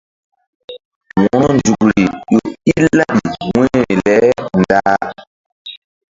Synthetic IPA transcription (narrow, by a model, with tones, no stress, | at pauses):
wɔ˨nɔ˦nd͡ʒu˨kɾi˨jo˨i˦la˦ɗi˨wɛ̃ː˦˨lɛ˦n˨daː˦